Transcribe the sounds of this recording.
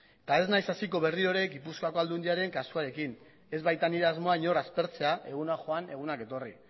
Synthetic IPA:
t̪ae̞znajsasiko̞βe̞rio̞ɾe̞ɡipuskoako̞ald̪und̪iaɾe̞ŋkasuaɾe̞kin | e̞zβajt̪aniɾeazmo̞aɲo̞ɾaspe̞ɾt͡se̞aʔe̞ɣunaxo̞ane̞ɣ̞unake̞t̪o̞ri

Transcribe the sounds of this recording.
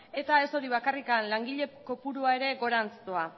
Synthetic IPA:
e̞t̪ae̞so̞ɾiβ̞akarikanlaŋɡiʎe̞ko̞puɾuae̞ɾe̞ɡo̞ɾant͡st̪oa

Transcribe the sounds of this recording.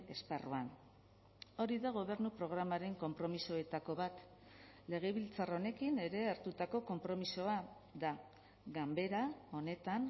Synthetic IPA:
e̞sparuan | o̞ɾiðaɣ̞o̞βe̞ɾnupɾo̞ɣ̞ɾamaɾe̞ŋko̞mpɾo̞miso̞e̞t̪ako̞βat̪ | le̞ɣ̞e̞βilt͡saro̞ne̞kine̞ɾe̞aɾt̪ut̪ako̞ko̞mpɾo̞miso̞a | ða | ɣambe̞ɾao̞ne̞t̪an

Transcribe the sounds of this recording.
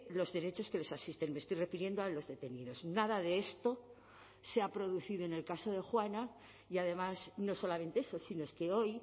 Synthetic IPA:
lo̞zðe̞ɾe̞t͡ʃo̞ske̞le̞sasist̪enmest̪ojre̞fiɾje̞nd̪oalo̞zðe̞t̪e̞niðo̞znaðaðe̞est̪o̞ | seapɾo̞ðuθiðo̞ene̞lkaso̞ð̞e̞xwana | iaðe̞masno̞so̞lament̪e̞eso̞sinoeske̞o̞j

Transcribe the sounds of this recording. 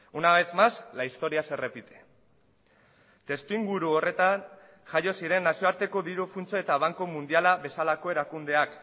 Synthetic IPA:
unaβet͡s̪maslaist̪o̞ɾiase̞re̞pit̪e̥ | t̪e̞st̪uiŋɡuɾuo̞re̞t̪an | ʝajo̞siɾe̞nːasioaɾt̪e̞ko̞ðiɾufunt͡soe̞t̪aβ̞aŋkomund̪ialaβe̞salako̞e̞ɾakund̪e̞ak

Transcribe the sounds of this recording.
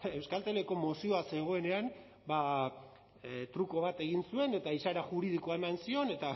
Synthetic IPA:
e̞wskalt̪eleko̞mosio̞ase̞ɣ̞o̞e̞ne̞an | ba | t̪ɾuko̞β̞at̪e̞ɣinsue̞ne̞t̪aisaɾaʝuɾið̞ikoae̞mansio̞ne̞t̪a

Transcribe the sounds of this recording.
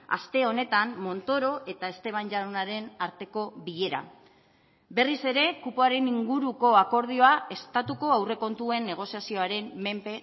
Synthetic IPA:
a̰st̪e̞o̞ne̞t̪ammo̞nt̪o̞ɾo̞ʔe̞t̪aest̪e̞β̞anʝaɾonaɾe̞naɾt̪e̞ko̞βiʎe̞ɾa̰ | be̞rise̞ɾe̞kupoaɾe̞niŋɡuɾuko̞ako̞ɾð̞io̞ae̞st̪at̪uko̞awre̞ko̞nt̪ue̞nːe̞ɣ̞o̞siasio̞aɾe̞mːe̞mpe̞

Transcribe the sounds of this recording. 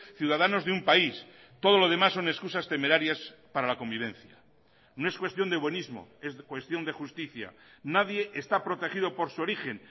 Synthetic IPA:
θjuðaðano̞zðeumpais | t̪o̞ð̞o̞lo̞ð̞e̞masːo̞ne̞skusast̪e̞me̞ɾaɾjaspaɾalako̞mbiβ̞ẽ̞n̟θja̰ | no̞e̞skwe̞st̪jo̞nd̪eβwe̞nizmo̞̰e̞skwest̪jo̞nd̪e̞xust̪iθja̰naðje̞ʔest̪apɾo̞t̪e̞xiðo̞po̞ɾsuo̞ɾixe̞n

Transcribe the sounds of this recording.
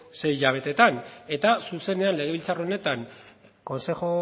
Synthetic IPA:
se̞jʎaβ̞e̞t̪e̞t̪ane̞t̪asuse̞ne̞anle̞ɣ̞e̞βilt͡saroone̞t̪aŋ | ko̞nse̞xo

